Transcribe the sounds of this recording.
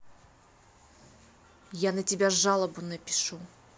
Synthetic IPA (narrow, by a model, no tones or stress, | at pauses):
janətʲɪbʲaʐalˠəbʊnəpʲɪ̥ʂu